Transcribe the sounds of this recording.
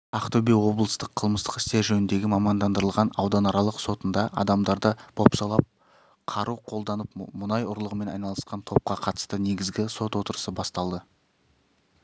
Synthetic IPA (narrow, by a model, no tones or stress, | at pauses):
ɑqt̪ɵbewo̞blˠəst̪əqʰəlˠməst̪ə̥qɪ̥st̪e̞ɾʒɵnɪnd̪e̞ɡʲɪmɑmɑnd̪ɑnd̪əɾəlˠʁɑnɑwd̪ɑnɑɾɑlˠəqso̞t̪ənd̪ɑʔɑ̰d̪ɑmd̪ɑɾd̪əb̥ʰo̞psɑlˠɑp̚ | qʰɑɾuqʰo̞lˠd̪ɑnəpmʊnɑjʊɾlˠəʁəme̞nɑ̰jnɑlˠəsqɑnt̪ʰo̞p̚qɑqʰɑt̪ə̥st̪əne̞ɡʲɪzɡʲɪso̞t̪wo̞t̪əɾəsəbɑst̪ɑlˠd̪ə